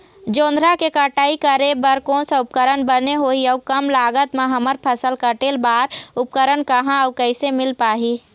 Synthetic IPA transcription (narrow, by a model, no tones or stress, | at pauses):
d͡ʒõːnd̪ʱɾakekəʈaːikəɾebəɾkõnseʊp̚kəɾənbəneɦoːiəʊkəmlaːɡət̪mẽɦəməɾpʰəsəlkəʈeːlbaːɾʊp̚kəɾənkəɦãəːkəɪsemɪlpaːɦiː